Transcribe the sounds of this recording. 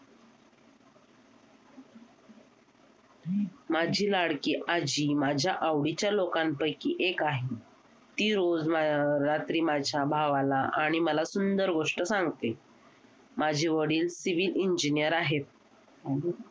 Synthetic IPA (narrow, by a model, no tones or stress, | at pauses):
mad͡ʑʱiːlaɽkiːʔad͡ʑiːmad͡ʑʱjaʔaʋɽit͡ɕjalokanpəjkiʔekaɦi | t̪iːɾod͡zmaɾat̪ɾiːmad͡ʑʱjabʱaʋalaʔaɽ̃iməlasund̪əɾɡoʂʈəsãŋɡt̪e | mad͡ʑʱeʋəɽiːlsiʋiliɲd͡ʑinijəɾaɦet̪̚